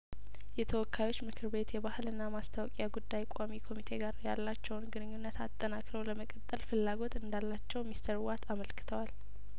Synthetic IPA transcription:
jɛt̪ʰəwɔkʰːajwo̞t͡ʃːmɨkʰɨɾbe̞t̪jɛbahɨlɨnːamast̪ʰawɔkʼjaɡud̪ːajkʷʼamikʰo̞mit̪ʰe̞ɡaɾjalːat͡ʃːɛwnɡɨnɨɲːunːət̪ʰat̪ʼːənakʼɾəwləməkʼət̪ʼːəlfɨlːaɡo̞t̪ɨnd̪alːat͡ʃːɛwmist̪ʰəɾwat̪ʰaməlkɨ̥t̪ʰəwal

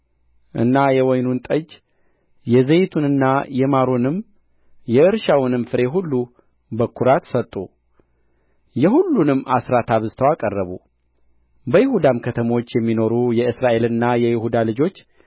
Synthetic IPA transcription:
ʔɨ̰nːajɛwɔjnunt̪ʼəd͡ʒ | jɛzejt̪ʰunɨnːajɛmaɾonɨm | jɛɨɾʃawʊnɨmfɨɾe̞ɦulːu | bəkʰːuɾat̪sət̪ʼːu | jɛɦulːunɨmːʔasɾat̪ʰaβɨzt̪ʰəwakʼərːəβṵ | bəjɪhud̪amkʰət̪ʰəmo̞t͡ʃːjɛmːino̞ɾujɛɨsɾaʔe̞lɨnːajɛjɪhud̪alɨd͡ʒo̞t͡ʃː

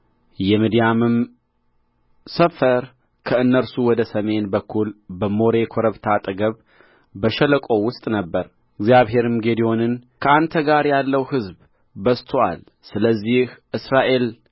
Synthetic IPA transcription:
jɛmid̪ijamɨm | səfəɾ | kʰəɨnːəɾsuwɔd̪əsəme̞nbəkʰːulbəmo̞ɾe̞kʰo̞ɾəβt̪ʰat̪ʼɨɡəβ | bəʃɛləkʼo̞wʊst̪ʼnəbːəɾ | ɨɡzijaβɦe̞ɾɨmɡe̞d̪io̞nɨnkʰəant̪ʰəɡaɾjalːəwhɨzb | bəst̪ʰoa̰l | sɨləzːihʔɨsɾaʔe̞l

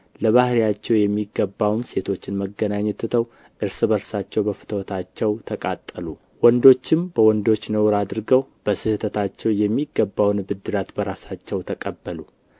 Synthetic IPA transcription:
ləβahɾijat͡ʃːɛwjɛmːiɡːəbːawnse̞t̪ʰo̞t͡ʃːɪnməɡːənaɲːɛt̪ːɨt̪ʰəw | ʔɨɾsɨbəɾsat͡ʃːɛwbəfɨ̥t̪ʰəwɔt̪ʰat͡ʃːɛwt̪ʰəkʼat̪ʼːəlu | wɔnd̪o̞t͡ʃːɪmbəwɔnd̪o̞t͡ʃːnəwɾad̪ɨɾɡəwb̥əsɨhɨt̪ʰət̪ʰat͡ʃːɛwjɛmːiɡːəbːawnbɨd̪ːɨɾat̪bəɾasat͡ʃːɛwt̪ʰəkʼəbːəlu

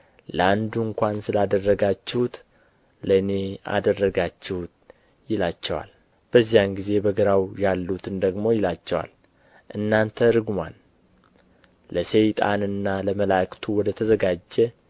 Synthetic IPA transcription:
ləand̪uŋkʷansɨlad̪ərːəɡat͡ʃːɛhut̪ | ləne̞a̰d̪ərːəɡat͡ʃːɛhut̪ | jɪlat͡ʃːɛwa̰l | b̥əzːijanɡize̞bəɡəɾawjalːut̪ʰɨnd̪əɡmo̞jɪlat͡ʃːɛwa̰l | ʔɨnːant̪ʰəɾɨɡma̰n | ləsejt̪ʼa̰nɨnːaləməlakt̪ʰuwɔd̪ət̪ʰəzəɡad͡ʒːɛ

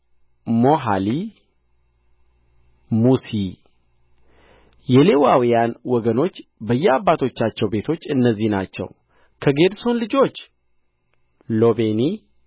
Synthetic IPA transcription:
mo̞ɦali | musi | jɛle̞wawijanwɔɡəno̞t͡ʃːbəjːɛabːat̪ʰo̞t͡ʃːat͡ʃːɛwbe̞t̪ʰo̞t͡ʃːɨnːəzːihna̰t͡ʃːɛ̰w | kʰəɡe̞d̪so̞nlɨd͡ʒo̞t͡ʃː | lo̞be̞ni

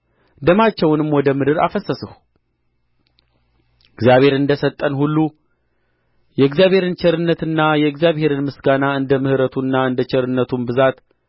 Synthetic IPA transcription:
d̪əmat͡ʃːɛwnɨmwɔd̪əmɨd̪ɨɾa̰fəsːəsɨhu | ɨɡzjaβhe̞ɾɨnd̪əsət̪ʼːənhulːu | jɛɨɡzjaβhe̞ɾɨnt͡ʃʰɛɾɨnːət̪ɨnːajɛɨɡzjaβhe̞ɾɨnmɨsɡanaɨnd̪əmɨhɨɾət̪ʰunːaɨnd̪ət͡ʃʰɛɾɨnːət̪ʰunbɨzat̪

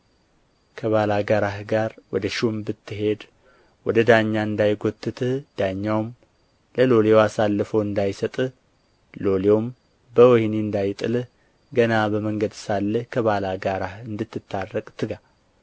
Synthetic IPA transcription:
kʰəβalaɡaɾahɡaɾwɔd̪əʃumbɨt̪ːɨɦe̞d̪ | wɔd̪əd̪aɲːaɨnd̪ajɡot̪ːɨt̪ʰɨhd̪̥aɲːawm | ləlo̞leoasalːəfəwɨnd̪ajsət̪ʼ | lo̞leom | bəwɔhniɨnd̪ajt̪ʼɨlh | ɡənabəməŋɡəd̪salːəhkʰəβalaɡaɾahɨnd̪ɨt̪ːɨt̪ʰːarːəkʼt̪ʰɨɡa

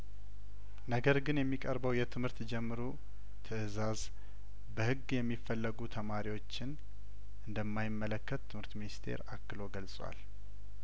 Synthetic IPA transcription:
nəɡəɾɡɨnjɛmːikʼəɾbəwjɛt̪ʰɨmhɨɾt̪d͡ʒɛmːɨɾu | t̪ʰɨɨzaz | bəhɨɡjɛmːifːəlːəɡut̪ʰəmaɾiwo̞t͡ʃːɪn | ʔɨnd̪əmːajɪmːələkːət̪ʰːɨmhɨɾt̪minist̪ʰe̞̰ɾakːɨlo̞ɡəlsʼwa̰l

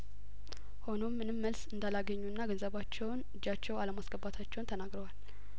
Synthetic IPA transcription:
ho̞no̞mːɨnɨmːəlsɨnd̪alaɡəɲːunːaɡənzəβat͡ʃːɛwnɨd͡ʒːat͡ʃːɛwaləmasɡəbat̪ʰat͡ʃːɛwnt̪ʰənaɡɾəwal

